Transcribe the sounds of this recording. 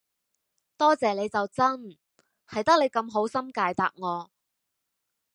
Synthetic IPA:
t̪ɔː˥t͡sɛː˨le˨˧jt͡sɐ˨wt͡sɐ˥n | hɐ˨jt̪ɐ˥k̚le˨˧jkɐ˧mɦo˨˥wsɐ˥mkaː˧jt̪aː˨k̚ŋɔː˨˧

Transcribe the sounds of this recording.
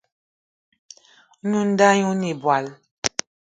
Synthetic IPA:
ɲu˦n̩˦da˦ɲu˦ni˨bwa˨l

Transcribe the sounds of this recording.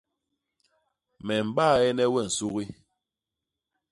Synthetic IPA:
mɛ˨m̩˨ɓaː˦˨ɛ˦nɛ˦wɛ˦˨n̩˨su˦ɣi˦

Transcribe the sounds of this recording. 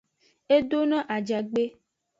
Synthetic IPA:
e˦do˦nã˦ʔa˨d͡ʒa˨ɡ͡be˦

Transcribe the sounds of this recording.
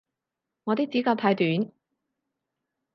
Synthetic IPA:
ŋɔː˨˧t̪i˥t͡siː˨˥kaː˧p̚t̪ʰaː˧jt̪yː˨˥n

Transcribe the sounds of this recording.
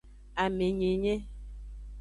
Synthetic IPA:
a˨me˨ɲe˨ɲe˦

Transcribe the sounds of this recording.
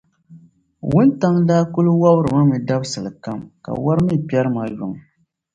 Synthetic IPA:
wʊ˦nta˦ŋdaː˦kʊ˦lwa˦bɨ˦ɾɨ˨ma˦mɨ˨da˦bsɨ˨lɨ˨ka˦mka̰˨wa˦ɾɨ˦mi˦˨pi˦ɛ˦ɾɨ˦ma˨jʊ˨ŋ˨

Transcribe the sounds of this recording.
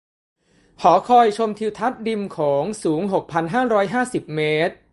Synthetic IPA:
kʰɔː˩˦kʰɔː˧jt͡ɕʰo˧mt̪ʰi˧wt̪ʰa˦˥t̪̚di˧mkʰɔː˩˦ŋsuː˩˦ŋɦo˨˩k̚pʰa˧nɦaː˥˩ɾɔː˦˥jɦaː˥˩si˨˩p̚meː˦˥t̪̚

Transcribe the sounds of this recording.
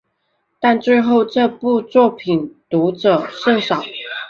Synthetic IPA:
t̪a˥˧nt͡swe˥˧ɪxo˥˧ʊʈ͡ʂɤ˥˧pu˥˧t͡swɔ˥˩pʰi˨˩nt̪u˧˥ʈ͡ʂɤ˨˩ʂɤ˥˧ŋʂɑ˨˦ʊ

